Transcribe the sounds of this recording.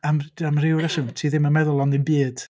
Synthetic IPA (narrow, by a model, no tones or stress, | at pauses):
amamrɪwɾasɪmtʰiːðɪmanmɛðʊlˠɔnðɪnbiːd̥